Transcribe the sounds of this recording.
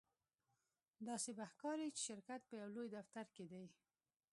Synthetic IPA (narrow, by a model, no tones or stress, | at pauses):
d̪ɑsebaxkɑɾit͡ʃe̥ʃɪɾkat̪̚pəjawlojd̪aft̪aɾked̪aj